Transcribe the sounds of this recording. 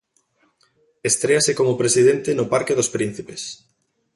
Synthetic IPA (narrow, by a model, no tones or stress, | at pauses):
est̪ɾeasekomopɾesið̞ent̪enʊpaɾkeðospɾin̟θipes